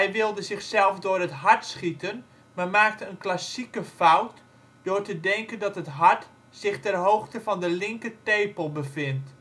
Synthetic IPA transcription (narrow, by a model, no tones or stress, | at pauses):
hɛjʋɪlˠdəzɪxsɛlˠfdʊərətɦartsχitʰən | marmaːk̚təənklasikəfawt | d̥ʊːrtədɛŋkəndɔtɦətɦaɹt | sɪxtɛrɦowxtəfɔndəlɪŋkəteːpəlˠbəfɪnt